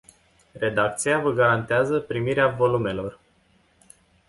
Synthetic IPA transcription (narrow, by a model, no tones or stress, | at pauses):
re̞d̪ak̚t̪sijavəɡaɾant̪eazəpɾimiɾeavo̞lume̞lo̞r